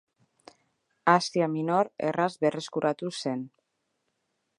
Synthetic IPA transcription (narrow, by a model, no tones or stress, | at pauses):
asiamino̞ɾḛrazbe̞re̞skuɾʔat̪use̞n